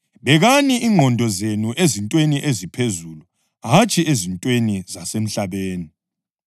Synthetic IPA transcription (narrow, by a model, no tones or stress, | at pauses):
βɛɣaniʔiŋ͡ǃʱɔndʱɔzenuʔezintʼweniʔezipʰezulu | ɦat͡ʃʼiʔezintʼwenizasem̩ɬaβeːni